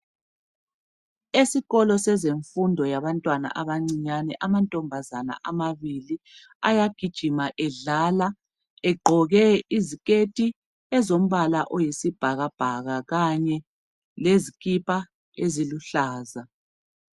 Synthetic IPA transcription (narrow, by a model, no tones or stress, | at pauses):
esiɣɔlɔsɛzeɱfundʱɔjaβantʼwana̰ʔaβaŋ͡ǀiɲanɛʔamantʼɔmbʱazana̰ʔamaβili | ajaɡ̥ʱid̥ʒ̥ʱimaʔɛɮaːla | ɛɡ͡ǃʱɔɣɛizikʼetʼi | ɛzom̩βalaʔojisib̥ʱaɣab̥ʱaɣaɣaɲɛ | lezikʼipʼa | eziluɬaːza